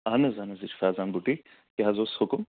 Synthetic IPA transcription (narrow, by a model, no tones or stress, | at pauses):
ɐnɐzɐnɐzit͡ʃʰfaːzaːnbuʈi | keɦɐzoːsʊkʊm